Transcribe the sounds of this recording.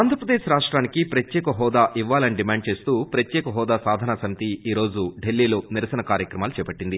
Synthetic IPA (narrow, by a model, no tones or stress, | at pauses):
aːnd̪ɾɐɾpɾɐd̪eːʃɾaːʂʈɾaːnikipɾɐt̪jɛːkɐɦɔːd̪aːʔiʋːaːlɐniɖimaːɳɖ̚t͡ʃe̞ːst̪uːpɾɐt̪jɛːkɐɦɔːd̪aːsaːd̪ʱɐnaːsɐmit̪iiːɾo̞ːd͡ʒuɖelːiːlo̞ːniɾɐsɐnɐkaːɾjɐkɾɐmaːlut͡ʃɛːpɐʈːind̪i